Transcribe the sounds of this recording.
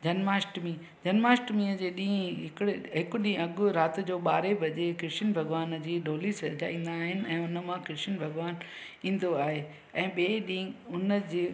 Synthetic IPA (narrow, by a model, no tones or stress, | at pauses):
d͡ʑɐnmaːsʈmiː | d͡ʑɐnmaːsʈmĩːəd͡ʑeːɗĩːɦɪkɪɽeɦɪkʊɗĩːɐɠʊ̆ɾaːt̪ʊ̆d͡ʑoːɓaːɾebʱɐd͡ʑekɪɾʃɪnbʱɐɡʋaːnd͡ʑiːɖʱoːlisɐɦd͡ʑa̰ːĩːn̆d̪aːɦɪnɪ̆ɛ̃ːʊnə̆mãkɪɾʃɪnbʱɐɡʋaːn | ĩːn̆d̪oaːɦe | ɛ̃ːɓeːɗĩːʊnəd͡ʑiː